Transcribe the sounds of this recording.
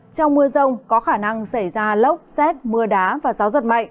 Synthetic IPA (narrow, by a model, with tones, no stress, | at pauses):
t͡ɕɔ˧wŋ͡mmɨ˧əzə˧wŋ͡mkɔ˨˦xaː˧˩na˧ŋsa˧˩jzaː˧lə˦˥wk͡p̚sɛ˦˥t̚mɨ˧əɗaː˨˦vaː˨˩zaː˨˦wzə˨˩t̚ma̰˧˨jŋ